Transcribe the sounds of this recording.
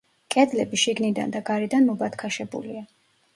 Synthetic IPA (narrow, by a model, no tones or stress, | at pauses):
kʼɛd̪lɛbiʃiɡnid̪a̰nd̪aɡaɾid̪anmɔbat̪ʰkʰaʃɛbṵlḭa